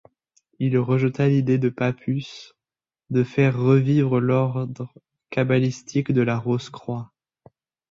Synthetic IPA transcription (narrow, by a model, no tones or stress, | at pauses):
ilʁəʒət̪alid̪ed̪əpapʰys | d̪əfɛʁːəvivʁəlɔʁd̪ʁ | kabalist̪ʰikd̪əlaʁoskχwa